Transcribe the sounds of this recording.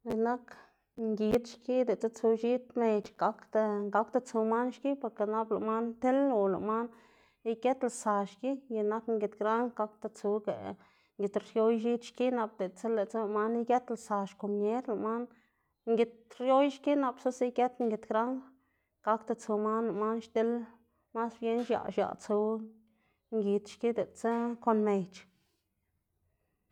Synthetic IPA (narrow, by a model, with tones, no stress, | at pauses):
ji˧na˦k | ŋɡi˧t̪ʃki˦d̪e˨t͡se˦t͡su˧ʃi˦t̪me˨t͡ʃɡa˧˦kt̪a˧ɡa˦kt̪a˧t͡su˧ma˦nʃki˦po˧ɾke˨na˦bla̰˨ma˦nt̪e˦lːo˨la̰˨ma˦n | i˦ke˦t̪la˨sa˨ʃki˦ji˧na˦kŋɡe˧t̪ɡɾa˦ŋɡa˧˦k̚t̪a˧t͡su˧ɡḛ˨ | ŋɡʲi˨t̪ɾjo˦jʃi˦t̪ʃki˦na˧b̚d̪e˨t͡se˦le˨t͡sa˦˧ma˦ni˦ɡe˦t̪la˨sa˨ʃko˨mɲe˦ɾla˨ma˦n | ŋɡʲi˧t̪̚ɾjo˦jʃki˦na˨psu˦si˦ke˦t̪ŋɡi˧t̪ɡɾa˦ŋ | ka˦kt̪a˧t͡su˨ma˦nla˨ma˦nʃt̪e˦l | ma˦sbje˦nʃja̰˨ʃa̰˨ʔt͡su˧ | ŋɡʲi˨t̪ʃki˦d̪e˨t͡se˦ko˧nme˨jt͡ʃ